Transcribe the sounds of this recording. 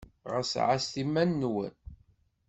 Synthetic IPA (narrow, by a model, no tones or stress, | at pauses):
ʁə̰sʕast̪imːænːwə̰n